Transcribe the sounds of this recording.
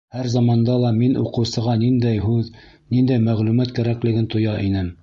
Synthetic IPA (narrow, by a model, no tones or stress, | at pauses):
hæɾzɑmɑnd̪ɑlˠɑminʔṵqɤ̆wsɤ̆ʁɑnind̪æjɦʉð | nind̪æjmæʁlʉmæt̪kæɾæklɘ̆ɡɘnt̪ŏjɑʔinɘm